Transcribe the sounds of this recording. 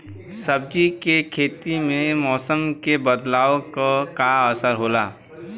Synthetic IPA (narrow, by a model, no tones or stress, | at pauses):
səb̚d͡ʒikekʰeːt̪imẽmɔːsəmkebəd̪laːokokaəsəɾɦoːlaː